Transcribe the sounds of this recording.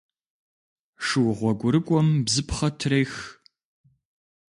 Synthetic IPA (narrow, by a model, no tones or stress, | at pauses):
ʂɨwʁʷɔɡʷʼʊɾɨkʷʼɔmbzɨpχɐtʰrejx